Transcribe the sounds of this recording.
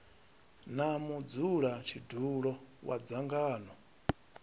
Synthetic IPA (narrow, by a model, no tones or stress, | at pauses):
namud͡zuɺat͡ʃʰidʱuɺɔwa̰d͡zaŋɡaːnɔ